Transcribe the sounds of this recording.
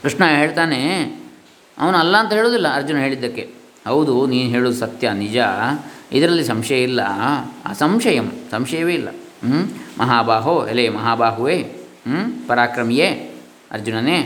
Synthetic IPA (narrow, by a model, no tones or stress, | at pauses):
kɾiʂɳɐɦe̞ːɭt̪aːne | ɐ̰ʋɐnuɐlːɐɐnt̪ɐɦeːɭoːd̪ilːɐɐɾd͡ʒunɐɦeːɭid̪ːɐkːe | hɐwd̪uniːnuɦeːɭuːd̪usɐt̪jɐnid͡ʒɐid̪ɐɾɐlːisɐmʂɐjɐilːɐ̰a̰ːsɐmʂɐjɐmsɐmʂɐjɐʋeːilːɐ̰ | mʔɐɦaːbaːɦoelemɐɦaːbaːɦuʋeː | pɐɾaːkɾɐmije | ɐ̰ɾd͡ʒunɐne